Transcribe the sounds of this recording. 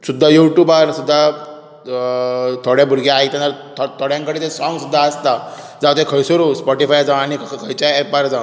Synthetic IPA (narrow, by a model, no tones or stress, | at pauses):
sud̪ʱːajuʈjubaɾsud̪ʱːa | t̪ʰoɽjabʱuɾɡʱjaajkt̪ãnt̪əɾt̪ʰt̪ʰoɽjãŋkəɽet̪esɔŋɡsud̪ʱːaəst̪a | d͡zaʋt̪ekʰəjsoɾuspɔʈifajd͡zãʋ̃aɽ̃ikʰəjt͡ɕaepaɾd͡zã